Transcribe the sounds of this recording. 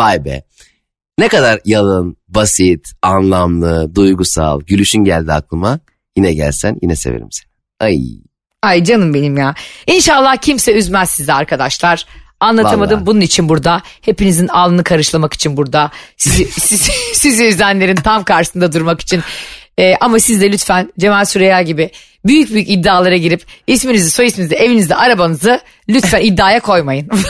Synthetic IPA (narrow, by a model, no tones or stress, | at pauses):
vajbɛ̰ | nekad̪aɾjalˠɯnbasit̪anlˠamlˠɯd̪ujɡusa̰lˠɟylʲyʃynɟælʲd̪iaklˠɯma | jinɛɟæ̰lʲsænjḭnɛsḛvḛɾḭmse̥ | aj̰ | ajd͡ʒanɯmbe̞nimjaːinʃalˠːahcʰimsɛyzmæzsizɛaɾkʰad̪aʃlˠaɾ̥ | anlˠaamad̪ɯmbununit͡ʃʰinbuɾd̪ahe̞pinizinalˠɯnɯkʰaɾɯʃlˠamaki̥t͡ʃʰinbuɾd̪asisisiziyzænlʲe̞ɾint̪ʰamkaɾʃɯ̥sɯnd̪ad̪uɾmaki̥t͡ʃʰinː | ʔamasizd̪ɛlʲyt̪fænd͡ʒe̞mælʲsuɾejaɟibɪ | byjyc̚byjycid̪ːaːlˠaɾaɟiɾipisminizɛso̞jismizd̪ɛevinizd̪ɛʔaɾabanɯzɯ | lʲyt̪fænid̪ːaːjakʰo̞jmajɯn